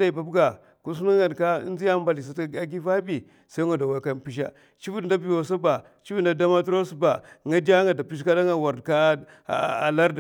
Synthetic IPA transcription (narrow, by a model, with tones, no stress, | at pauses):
da˨i˨ba˨bɡa˨ | ku˦s̬u˦nu˦ɡa˨dka̰˦n˦zi˦ja˦ba˨li˨s̬a˨ta˦ɡi˦va˦bi˨ | sa˦i˦ŋɡa˨da˨wa˨˦ka˦npi˦ʃ̬a̰˦ | t͡ʃi˦vu˦dda˦bi˨wo˨sa˦ba˨ | t͡ʃi˦vu˦n˨da˦da˦ma˦tɾo˦sba˨ŋa˦da˦ŋa˨da˨pi˦ʃka˦da˦ŋa˨wa˨ɾdka˦˨ | a̰˨la˦ɾd